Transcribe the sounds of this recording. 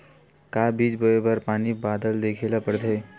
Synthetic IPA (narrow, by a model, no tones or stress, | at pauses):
kaːbiːd͡ʒbəebəɾpaːnibaːd̪əld̪eːkʰelapəɾd̪ʱe